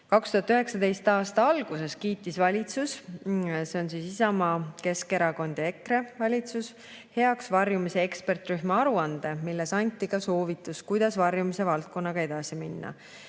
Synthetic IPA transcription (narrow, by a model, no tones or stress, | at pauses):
kɑkst̪uhɑt̪ːyɦe̞ksɑd̪e̞jst̪ɑːst̪ɑɑlɡ̥use̞skiːt̪ːˑisvɑlʲit̪sus | seo̞nsiːsisɑmɑːke̞ske̞ɾɑɡo̞nʲd̪̥e̞kɾe̞vɑlʲit̪sus | he̞ɑksvɑrjumise̞ekspe̞rt̪ˑryhmɑɑɾuɑnd̪e̞milːe̞sɑnʲt̪ːˑikɑso̞ːvit̪ːˑuskujd̪̥ɑsvɑrjumise̞vɑlt̪̚ko̞nːɑɡ̥ɑe̞d̪̥ɑsiminːɑ̰